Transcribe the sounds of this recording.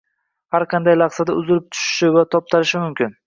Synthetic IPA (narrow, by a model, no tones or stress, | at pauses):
haɾqʰɑnd̪ajlɑχsad̪aʊzɪɾɪp̚t̪ʰʊ̥ʃɪ̥ʃɪvat̪ʰɒp̚t̪ʰaɾɪʃɪmʊmkʲʰɪn